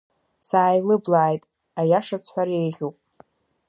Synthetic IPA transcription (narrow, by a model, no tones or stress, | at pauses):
saːjlɨblaːjtʼ | ajaʂat͡sʰħʷᶣaɾejʁʲupʼ